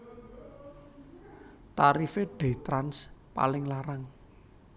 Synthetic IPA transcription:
t̪aɾifeɖ̥ɛ̤t̪ɾanspa̰lɪŋlaɾaŋ

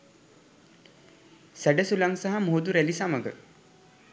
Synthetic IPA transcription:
sæɖəsulaŋsaɦamoːd̪uɾælisaməɡə̰

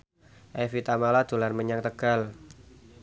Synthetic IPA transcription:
ʔɛfit̪amalad̪̥olanməɲaŋt̪əɡ̥al

